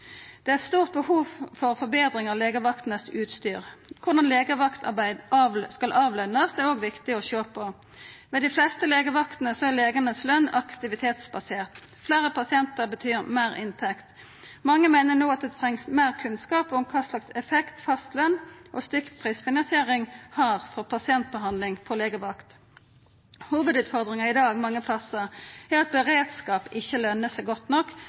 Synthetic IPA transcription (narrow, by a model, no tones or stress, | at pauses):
d̪̥ɛætst̪uːʁt̪̚bəhuːʋfɔʁfɔbeːd̪ɾɪŋəʁleːɡəʋɑkt̪n̩əsʉːt̪st̪yːʁkʰʊd̪ɑnleːɡəʋɑkt̪ʰɑ̰bæɪd̪ɑskɑlʔɑːʋlɛnːəsd̪ɛːʁoːɡʋɪkt̪ɪɔçøːpʰɔ | mɛːd̪ɪflɛst̪əleːɡəʋɑkt̪nəsɔæʁleːɡənəslœnːɑkt̪ɪʋɪt̪ʰeːt̪sbɑseːʁt̪ | fleːʁəpʰɑsɪɛnt̪əʁbət̪ʰyːʁmeːʁɪnt̪ʰɛkt̪ | mɑŋːəmæɪnənoːɑt̪̚d̪ɛt̪ʰʁɛŋsmeːʁkʰʉnskɑːpʊmkʰɑːslɑksɛfɛkt̪fɑst̪lœnʔɔst̪ʏkpʰʁiːsfɪnɑnsɪeːʁɪŋhɑʁfɔʁpʰɑsɪɛnt̪̚bəɦɑnd̪lɪŋfɔleːɡəʋɑkt̪ | huːʋəd̪ʉːt̪fɔʁd̪ʁɪŋəɪd̪ɑːɡmɑŋːəpʰlɑsəæʁɑt̪̚bəʁeːd̪skɑːpɪçəlœnːəsɛɪɡɔt̪nɔkː